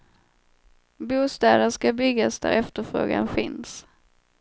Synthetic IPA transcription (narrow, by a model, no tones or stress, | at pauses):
buːst̪ɛːd̪ənʂkabʏɡːasd̪æɾʔɛft̪əɾfɾo̰ːɡa̰nfɪns